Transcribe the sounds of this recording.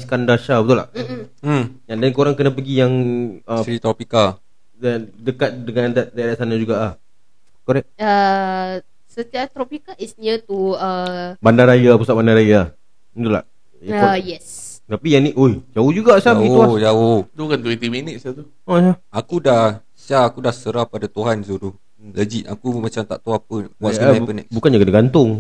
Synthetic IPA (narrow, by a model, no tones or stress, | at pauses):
skandaʃabət̪ula̰ʔ̩ | ɲadankoɾaŋkənãp̬əɡijaŋəsit̪ɾɔpikal | dadəkat̪̚dəŋand̪aʔt̪ajadaʔsanad͡ʒuɡaʔah | koɾɛʔ̚ə | sət̪iat̪ɾɔpikalisnət̪uəbandaɾajapusaʔ̚bandaɾaja | it̪ula̰ʔ | it̪ujɛs | t̪apijaniʔojd͡ʒaohd͡ʒuɡaʔsaɡiuad͡ʒawod̪ukant̪uit̪iminəʔ̪sat̪u | osaakudah | saakudahsəɾahpadat̪uɦansudu | ləd͡ʒiʔakumat͡ʃamt̪a̰ʔt̪uapəwaʔaapənɛ̰kbukand͡ʒakənaɡant̪ʊŋ